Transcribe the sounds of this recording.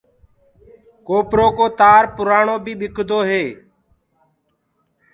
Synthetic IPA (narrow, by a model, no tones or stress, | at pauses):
koːpɾoːkoːt̪aːɾpʊɾaːɳoːbʱiːɓɪkʰd̪oːɦeː